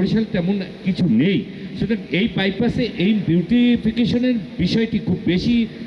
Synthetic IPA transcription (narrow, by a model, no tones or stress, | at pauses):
ɾiʃalt̪ɛmonkit͡ɕʰunej | ʃut̪aɾejpaj̚paseʔejbjuʈifikeʃoneɾbiʃɔeʈikʰubːeʃi